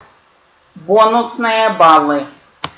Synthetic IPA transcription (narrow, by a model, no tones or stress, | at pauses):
bɔnʊsnɨjɐbɑlˠɨ